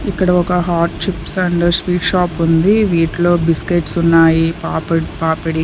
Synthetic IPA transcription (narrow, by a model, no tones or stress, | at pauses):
ikːɐɽɐɔkɐɦaːɾʈt͡ʃipsɐɳɖɐsʋiːʈʃaːpund̪iʋiːʈlo̞ːbiskeːʈsunːaːjipaːpɐpaːpɐɽi